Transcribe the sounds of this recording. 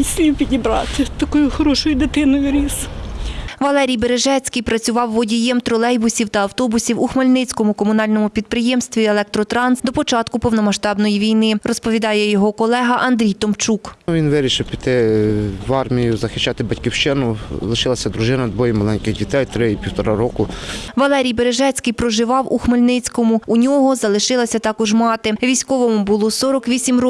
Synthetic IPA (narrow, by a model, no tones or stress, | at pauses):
isʲipʲidʲibɾɑt̪ɪt̪ɐkɔjʊxɔɾɔʃɔjʊd̪ɪt̪ɪnʊjʊɾʲis | ʋɐlˠɛɾʲijbeɾeʒɛt͡sʲkɪjpɾɐt͡sʲʊʋɑwːɔdʲijɛmt̪ɾɔlˠɛjbʊsʲiwt̪ɐːwt̪ɔbʊsʲiwʊxmɐlʲnɪt͡sʲkɔmʊkɔmʊnɑlʲnɔmʊpʲid̪̚pɾɪjɛmst̪ʋʲielˠɛk̚t̪ɾɔt̪ɾɑnsd̪ɔpɔt͡ʃɑt̪kʊpɔwnɔmɐʃt̪ɑbnɔjiʋʲijnɪrɔspɔʋʲid̪ɑjɛjɔɦɔkɔlˠɛɦɐʔɐnd̪ɾʲijt̪ɔmt͡ʃukʋʲinʋɪɾʲiʃɪwpʲi̥t̪ɪʋɑrmʲijʊzɐxɪʃt͡ʃːɑt̪ɪbɐtʲkʲiwʃt͡ʃɪnʊlˠɪʃɪlˠɐsʲɐd̪ɾʊʒɪnɐd̪ʋɔjimɐlˠɛnʲkɪɣdʲit̪ɛjt̪ɾɪipʲiwt̪ɔɾɑɾɔkʊʋɐlˠɛɾʲijbeɾeʒɛt͡sʲkɪjpɾɔʒɪʋɑwuxmelʲnɪt͡sʲkɔmʊunʲɔɦɔzɐlˠɪʃɪlˠɐsʲɐt̪ɑkɔʒmɑt̪ɪʋʲisʲkɔʋɔmʊbʊlˠɔsɔɾɔkʋʲisʲimr